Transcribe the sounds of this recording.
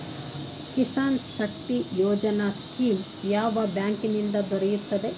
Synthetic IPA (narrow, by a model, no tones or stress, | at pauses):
kisaːnʃɐk̚t̪ijoːd͡ʒɐnaskiːm | jaːʋɐbjaːŋkinind̪ɐd̪ɔɾɛjut̪ːɐd̪e